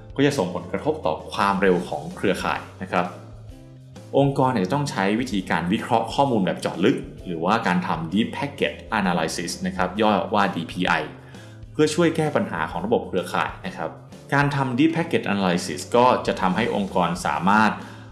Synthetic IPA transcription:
kɔː˥˩t͡ɕa˨˩so˨˩ŋpʰo˩˦nkɾa˧t̪ʰo˦˥p̚t̪ɔ̰ː˨˩kʰwaː˧mɾe˧wkʰɔː˩˦ŋkʰɾɯ˧ɐkʰa̰ː˨˩jna˦˥kʰɾa˦˥p̚ | ʔo˧ŋkɔː˧nː˧˨˩t͡ɕa˨˩t̪ɔ˥˩ŋt͡ɕʰa˦˥jwi˦˥t̪ʰiː˧kaː˧nwi˦˥kʰɾɔ˦˥ʔkʰɔː˥˩muː˧nbɛː˨˩p̚t͡ɕɔ̰ː˨˩t̪̚lɯ˦˥k̚ɾɯː˩˦waː˥˩kaː˧nt̪ʰa˧mdiː˦˥pʰːɛ˦˥kːe˨˩t͡ɕ̚ʔa˧naː˧la˧jsi˦˩sna˦˥kʰɾa˦˥p̚jɔː˥˩waː˥˩diː˧pʰiː˧ʔa̰˧j | pʰɯ˥˩ɐt͡ɕʰu˥˩əjkɛː˥˩pa˧nɦa̰ː˩˦kʰɔː˩˦ŋɾa˧bo˨˩p̚kʰɾɯ˧ɐkʰa̰ː˨˩jna˦˥kʰɾa˦˥p̚ | kaː˧nt̪ʰa˧mdiː˦˥pʰːɛ˦˥kːe˨˩t̪̚ʔaː˧naː˧laː˧jsḭ˦˩skɔː˥˩t͡ɕa˨˩t̪ʰa˧mɦa˥˩jʔo˧ŋkɔː˧nsa̰ː˩˦maː˥˩t̪̚

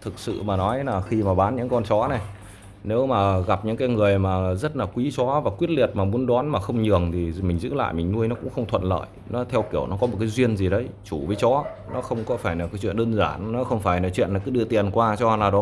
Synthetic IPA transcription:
t̪ʰɨ˨˩k̚sɨ̰˧˨maː˨˩nɔ˨˦jlaː˨˩xi˧maː˨˩ɓaː˨˦nɲɨ̰˧˥ŋkɔ˧nt͡ɕɔ˨˦nɛ˨˩j | ne˨˦wmaː˨˩ɣa˨˩p̚ɲɨ̰˧˥ŋkaː˨˦jŋɨ˨˩əjmaː˨˩zə˦˥t̚laː˨˩kwi˨˦t͡ɕɔ˨˦vaː˨˩kwi˦˥ət̚li˨˩ət̚maː˨˩mu˨˦ənɗwaː˨˦nmaː˨˩xə˧wŋ͡mɲɨ˨˩əŋt̪ʰi˨˩mï˨˩ŋ̟zɨ̰˧˥la̰ː˧˨jmï˨˩ŋnu˧əjnɔ˨˦kʊ̰˧˥ŋ͡mxə˧wŋ͡mt̪ʰə̰˧˨nlə̰ː˧˨j | nɔ˨˦t̪ʰɛ˧wki˧˩əwnɔ˨˦kɔ˨˦mo˨˩t̚kaː˨˦jzwi˧ənzi˨˩ɗə˨˦jt͡ɕu˧˩vəː˨˦jt͡ɕɔ˨˦ | nɔ˨˦xə˧wŋ͡mkɔ˨˦faː˧˩jlaː˨˩kaː˨˦jt͡ɕwḭ˧˨ənɗəː˧nzaː˧˩nnɔ˨˦xə˧wŋ͡mfaː˧˩jlaː˨˩t͡ɕwḭ˧˨ənlaː˨˩kɨ˨˦ɗɨ̰˧˨ət̪ḭ˧˨ənkwaː˧t͡ɕɔ˧laː˨˩ɗo˨˦

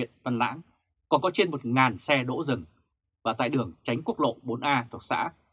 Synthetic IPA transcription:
ənvə˧nla̰ː˧˥ŋ | kɔ˨˩nkɔ˨˦t͡ɕe˧nmo˨˩t̚ŋaː˨˩nsɛ˧ɗo̰˧˥zɨ˨˩ŋ | vaː˨˩t̪a̰ː˧˨jɗɨ˨˩əŋt͡ɕa˨˦jŋ̟ku˦˥ək̚lo̰˧˨ɓo˨˦nʔaː˧t̪ʰu˨˩ək̚sa̰ː˧˥

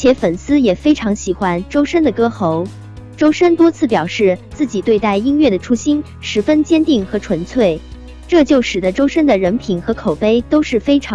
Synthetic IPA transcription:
t͡ɕʰjɛ˧˥fə˨˩nsɹ̩˥jɛ˨˩fe˥ɪʈ͡ʂʰɑ˧˥ŋɕi˨˩xwa˥nʈ͡ʂo˥ʊʂə˥nd̪ə˨kɤ˥xo˧˥ʊ | ʈ͡ʂo˥ʊʂə˥nt̪wɔ˥t͡sʰɹ̩˥˩pjɑ˨˩ʊʂɻ̩˥˧t͡sɹ̩˥˩t͡ɕi˨˩t̪we˥˧ɪt̪a˥˩ɪi˥nɥɛ˥˩d̪ə˩ʈ͡ʂʰu˥ɕi˥n | ʂɻ̩˧˥fə˥nt͡ɕjɛ˥nt̪i˥˩ŋxɤ˧˥ʈ͡ʂʰwə˧˥nt͡sʰwe˥˩ɪ | ʈ͡ʂɤ˥˧t͡ɕjo˥˩ʊʂɻ̩˨˩d̪ə˦ʈ͡ʂo˥ʊʂə˥nd̪ə˨ɻə˧˥npʰi˨˩˦nxɤ˧˥kʰo˨˩ʊpe˥ɪt̪o˥ʊʂɻ̩˥˩fe˥ɪʈ͡ʂʰɑ˧˥ŋ

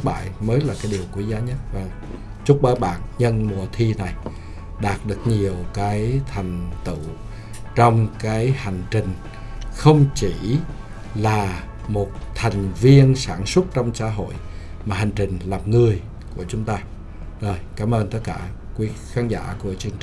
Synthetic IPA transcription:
k̚ɓa̰ː˧˨jməː˨˦jlaː˨˩kaː˨˦jɗi˨˩əwkwi˧˨˦zaː˨˦ɲə˦˥t̚vaː˨˩ | t͡ɕʊ˦˥k͡p̚ɓəː˨˦jɓa̰ː˧˨nɲə˧nmu˨˩ət̪ʰi˧na˨˩j | ɗaː˨˩t̚ɗɨ˨˩ək̚ɲi˨˩əwkaː˨˦jt̪ʰa˨˩jŋ̟t̪ɨ̰˧˨ | t͡ɕɔ˧wŋ͡mkaː˨˦jha˨˩jŋ̟t͡ɕï˨˩ŋ̟ | xə˧wŋ͡mt͡ɕi˧˩ | laː˨˩ | mo˨˩t̚t̪ʰa˨˩jŋ̟vi˧ənsaː˧˩nswə˦˥t̚t͡ɕɔ˧wŋ͡msaː˧˥ɦo̰˧˨j | maː˨˩ɦa˨˩jŋ̟t͡ɕï˨˩ŋ̟laː˨˩mŋɨ˨˩əj | ku˧˩ət͡ɕʊ˨˦ŋ͡mt̪aː˧ | zo˨˩jkaː˨˦mʔəː˧nt̪ə˦˥t̚kaː˧˩ | kwi˨˦xaː˨˦nza̰ː˧˩ku˧˩ət͡ɕɨ˧əŋt͡ɕ

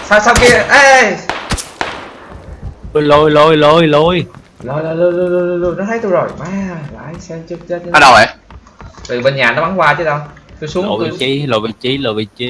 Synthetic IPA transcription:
saː˧wsa˧wki˧ʔə˧˩ʔ | lo˧˩jlo˧˩jlo˧jlo˧˩jlo˧j | lo˨˧˩jlo˧˩jlo˧jlo˧jlo˧lo˧t̪u˧jnɔ˨˦t̪ʰə˨˦jt̪u˧zo˨˩jmaː˨˧˦la̰ː˨˩ʔa˧ŋsɛ˧mt͡ɕɨ˦˥k̚t͡ɕə˦˥t̚a˧˦ɗə˨˩ja˧˦ | t̪i˨˩ɓe˧nɲaː˨˩nɔ˨˦ɓa˨˦ŋkwaː˧t͡ɕɨ˨˦ɗə˧jt̪u˧jsu˨˦ə˨˩ɓi˧˨t͡ɕi˧˦lo˨˩jɓi˧˩t͡ɕi˨˦lo˨˩ɓi˧˩t͡ɕi˧˦

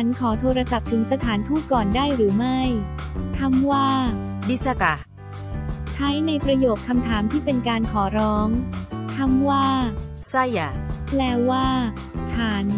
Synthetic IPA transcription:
a˦˥nkʰɔː˩˦t̪ʰoː˧ɾa˧sa˨˩p̚t̪ʰɯ˩˦ŋsa˧t̪ʰaː˩˦nt̪ʰuː˥˩t̪̚kɔː˨˩ndaː˥˩jɾɯː˩˦ma˥˩j | t̪ʰa˧˥˩mwaː˥˩di˦˥sa˧ka˨˧ | t͡ɕʰa˦˥jna˧jpɾa˧joː˨˩kʰːa˧mt̪ʰaː˩˦mt̪ʰiː˥˩pe˧nkaː˧nkʰɔː˩˦ɾɔː˦˥ŋt̪ʰa˧˥mwaː˥˩ | sa˥˩ja˨˩pʰlɛː˦˥wwaː˥˩˥ | t͡ɕʰaː˩˦n

